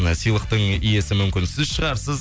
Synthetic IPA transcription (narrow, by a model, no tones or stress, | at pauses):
sijlˠəq̚t̪əɴije̞sɪmʏmkʲɪnsɪzʃəʁɑɾsəz